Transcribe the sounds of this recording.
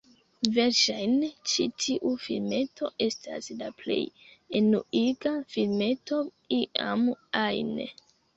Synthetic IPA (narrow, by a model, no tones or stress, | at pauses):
ve̞ɾʃajnt͡ʃitʰiʔufilme̞tʰo̞ʔe̞stʰa̰slaple̞̰jenuiɡafilme̞to̞ | iʔa̰majnḛ